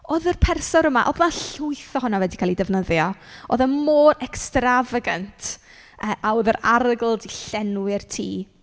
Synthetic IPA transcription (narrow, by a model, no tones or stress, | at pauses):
oðərpʰɛrsɔɾəmaʔɔ̰ðnaɬʊɨθɔhʊnavwɛdikʰaːlˠidɛvnəðjɔoːðəmoːɾɛkstravəɡantʰ | əʔaoðəɾaɾəɡl̩ˠdiɬɛnwɪrtʰḭː